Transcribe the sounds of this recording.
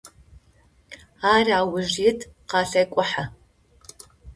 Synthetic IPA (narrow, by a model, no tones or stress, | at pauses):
aːraːwʊʒitʰʼqɑːɬɐjkʷʼʊħa